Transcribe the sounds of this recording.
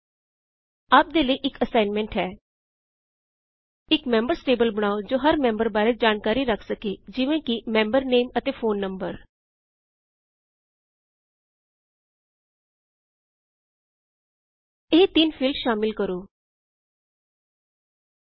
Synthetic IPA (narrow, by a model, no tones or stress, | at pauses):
aːp̚d̪eːləiːʔɪkəsaːɪnmɛ̃ːɳʈɦɛː | ɪkmɛ̃ːmbəɾsʈeːbəlbəɽ̃aːod͡ʒoːɦəɾmɛ̃ːmbəɾbaːɾed͡ʒaːnkaːɾiːɾəkʰsəkeːd͡ʒɪʋẽːkɪmɛ̃ːmbəɾneːmət̪eːfʰoːnːəmbəɾ | eːt̪ɪnpʰɪlʃaːmɪlkəɾoː